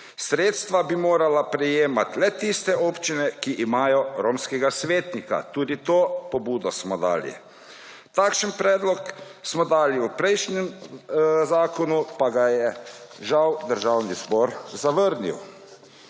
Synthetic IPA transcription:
sɾeːt̪st̪ʋabimoːɾalapɾɛjeːmat̪lɛt̪ist̪ɛʔoːpt͡ʃinɛkiʔimaːjɔɾoːmskɛɡasʋeːt̪nika̰t̪uːd̪it̪oːpɔbuːd̪ɔsmɔd̪a̰ːlḭ | t̪aːkʃənpɾɛːd̪lɔksmɔd̪aːliwpɾɛjʃnɛm | zaːkɔnupaɡajɛʒawd̪əɾʒaːwnizbɔːɾzaʋəɾnḭw

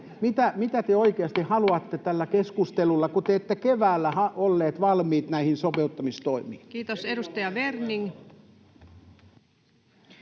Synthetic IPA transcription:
mit̪æmit̪æt̪eoikeɑst̪ihɑluɑt̪ːet̪ælːækeskust̪elulːɑkut̪eːt̪ːekeʋæːlːæhɑolːeːt̪ʋɑlmiːt̪næihinsopeut̪ːɑmist̪oimiːnkiːt̪osedust̪ɑjɑʋerniŋ

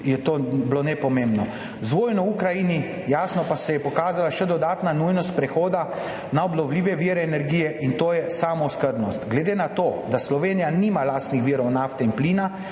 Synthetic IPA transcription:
jɛt̪oːblonɛpɔmembnɔ | zʋoːjnɔukɾajini | jaːsnɔpasɛjɛpɔkaːzalaʃɛd̪ɔd̪aːt̪nanujnɔst̪̚pɾɛxoːd̪a | naɔblɔwliːʋɛʋiɾɛːnɛɾɡiːjɛʔint̪oːjɛsaːmɔwskəɾbnɔst̪ɡlɛd̪enat̪oːd̪aslɔʋeːnijaniːmalaːst̪nixʋiːɾɔwnaːft̪ɛinpliːna

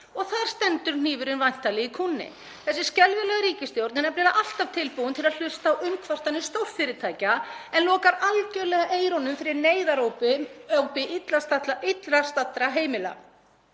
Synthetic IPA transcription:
ɔɣθaðɾ̥st̪ɛnt̪ʏɾ̥n̥iːvʏɾʏnvajn̥t̪ːalɪikʰuːnːɪ̰ | θɛsːɪ̥scɛlvɪlɛɣaɾiːcɪst̪jowɾnɪnɛɾpnɛːlaʔal̥t̪av̥t̪ʰɪlpuwʏnt̪ʰɪlal̥ʏst̪aːwʔʏmkʰvar̥t̪anɪst̪owr̥fɪɾɪt̪ʰaːjcaɛnlɔːkaɾalcœlɛɣaʔeːjɾɔnʏmfɪɾɪɾneːjðaɾowpɪɔwpɪʔɪt̪last̪at̪aɪt̪lɾast̪at̪ɾaɦeːjmɪla̰

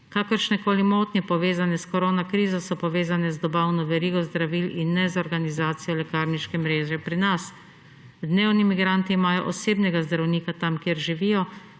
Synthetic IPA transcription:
kakɔɾʃnɛkoːlimoːt̪nʲɛpɔʋeːzanɛskɔɾoːnakɾiːzɔsɔpɔʋeːzanɛzd̪ɔbaːwnɔʋɛɾiːɡɔzd̪ɾaʋilinːɛzɔɾɡanizaːt̪sijɔlɛkaːɾniʃkɛmɾeːʒɛpɾinas | d̪neːwnimiɡɾant̪iːmaːjɔ̰ʔɔseːbnɛɡazd̪ɾawniːkat̪amkjeːɾʒiʋiːjɔ

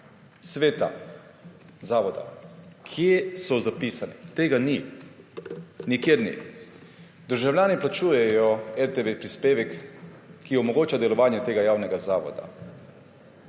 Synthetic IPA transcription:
sʋeːt̪a̰ | zaːʋɔd̪a̰kʰjesɔzapiːsanit̪eːɡani | nikjeːɾnḭ | d̪əɾʒawlʲjaːniplat͡ʃuːjɛjɔɛɾt̪eʋepɾispeːʋɛkː | iɔmɔɡoːt͡ʃad̪ɛlɔʋaːnjɛt̪eːɡajaːwnɛɡazaːʋɔ̰d̪a̰

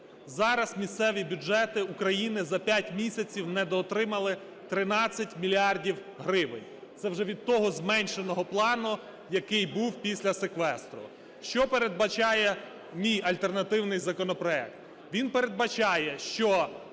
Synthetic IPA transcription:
zɑɾɐsmʲist̪sɛʋʲibʲʊd͡ʒɛt̪ɪukɾɐjinɪzɐpʲjatʲmʲisʲɐt͡sʲiwnɛd̪ɔt̪ɾɪmɐlˠɪ | t̪ɾɪnɑt͡sʲːɐtʲmʲilʲiɑrdʲiw | ɦɾɪʋɪnʲ | t̪sɛwʒɛʋʲid̪̚t̪ɔɦɔzmɛnʲʃenɔɦɔplˠɑnʊ | jɐkɪjbuwpʲisʲlʲɐsekʋɛst̪ɾʊ̰ | ʃt͡ʃɔpeɾed̪̚bɐt͡ʃɑjɛ | mʲijɐlʲt̪ernɐt̪ɪwnɪjzɐkɔnɔpɾɔɛ̰k̚t̪ | ʋʲinpeɾe̞d̪̚bɐt͡ʃɑjɛʃt͡ʃɔ

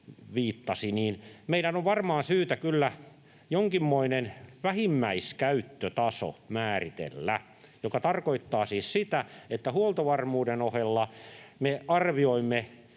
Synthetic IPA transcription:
ʋiːt̪ːɑsiniːnmeidænoʋʋɑrmɑːnsyːt̪ækylːæ | joŋkimːoinenʋæhimːæiskæyt̪ːøt̪ɑso̰mæːrit̪ḛlːæ | jokɑt̪ɑrkoit̪ːɑːsiːssit̪æet̪ːæhuolt̪oʋɑrmuːdenohelːɑmeɑrʋioimːe

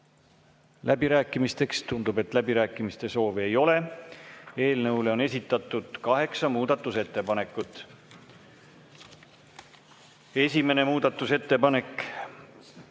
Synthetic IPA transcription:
lʔæbiɾæːkːˑimist̪e̞kst̪und̪̥ube̞t̪ːˑlæbiɾæːkːˑimist̪e̞so̞ːvie̞jo̞le̞ | e̞ːlnɤwle̞o̞ne̞sit̪ːˑɑt̪ːˑud̪̥kɑɦe̞ksɑmuːd̪̥ɑt̪ːˑuse̞t̪ːe̞pɑne̞kːˑut̪ːˑ | e̞sʲime̞ne̞muːd̪̥ɑt̪ːˑuse̞t̪ːe̞pɑne̞k

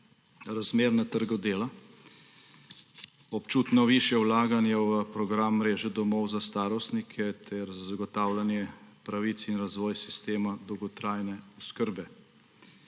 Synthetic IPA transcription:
ɾazmeːɾnat̪əɾɡɔd̪eːla | ɔpt͡ʃuːt̪nɔʋiʃjɛwlaːɡanjawəpɾɔɡɾamːɾeːʒɛd̪ɔmɔwzast̪aːɾɔst̪nikʰɛt̪ʰɛɾzaɡɔt̪aːwlanjɛpɾaʋit̪sinɾazʋɔːjsi̥st̪eːmad̪ɔwɡɔt̪ɾajnɛɔskəɾbɛ

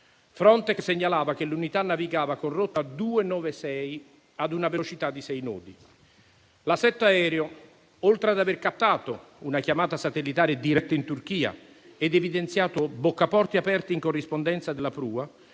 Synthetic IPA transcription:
fɾɔnt̪ɛkseɲːalaːvak̟elunit̪anːaviɡaːvakorːot̪ːad̪uːenɔːvesɛj | ad̪unavelot͡ʃit̪ad̪ːisɛjnɔ̰ːd̪i | lasɛt̪ːoaɛːɾeo | olt̪ɾead̪averkapt̪ːaːt̪ounakjamaːt̪asat̪elːit̪aːɾed̪iɾɛt̪ːaint̪urk̟iːa̰ | ɛd̪evid̪ent̪sjaːt̪obokːapɔrt̪iapɛrt̪iːŋkorːispond̪ɛnt̪sad̪elːapɾuːa

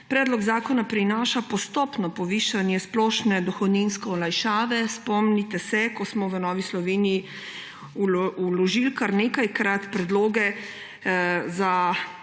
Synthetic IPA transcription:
pɾɛːd̪lɔɡzaːkɔnapɾinaːʃapɔst̪ɔːpnɔpɔʋiːʃanjɛsplɔːʃnɛd̪ɔxɔd̪ninskɛɔlajʃaːʋɛspɔmnit̪ɛsɛkɔsmɔʋənɔːʋislɔʋeːniji | ululɔʒilkaɾneːkajkɾat̪pɾɛd̪loːɡɛ | za

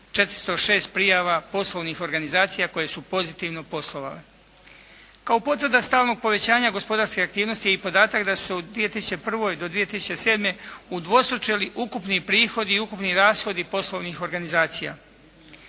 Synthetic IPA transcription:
t͡ʃe̞t̪ɾst̪oʃe̞ːst̪̚pɾijaʋapo̞slˠoʋnixo̞ɾɡanizaːt̪sijako̞je̞supo̞zit̪iʋno̞po̞slˠo̞ʋa̰le | kaopo̞t̪ʋərd̪ast̪aːlno̞ɡ̚po̞ʋe̞t͡ɕaːɲaɡo̞spo̞d̪aɾskeakt̪iːʋno̞st̪ijeipo̞d̪aːt̪akd̪asu̥seud̪ʋije̞t̪isu̥t͡ɕepr̩ʋo̞jd̪o̞d̪ʋije̞t̪isu̥t͡ɕe̞se̞ːd̪me̞ud̪ʋo̞st̪ɾot͡ʃeliʔukupnipɾiːxo̞d̪iːukupniɾaːsxo̞d̪ipo̞slˠo̞ʋnixo̞ɾɡanizaːt̪sija̰

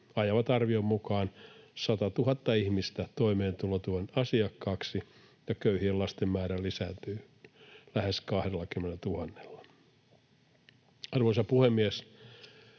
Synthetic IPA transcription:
ɑjɑʋɑt̪ɑrʋiommukɑːnsɑt̪ɑt̪uhɑt̪ːɑihmist̪æt̪oimeːnt̪ulot̪uohenɑsiɑkːɑːksi | jɑkøyhielɑst̪emːæːɾælisæːnt̪yː | læheskɑhdelːɑkymːenet̪uhɑnːe̥lːɑ̥ | ɑrʋoisɑpuhemːies

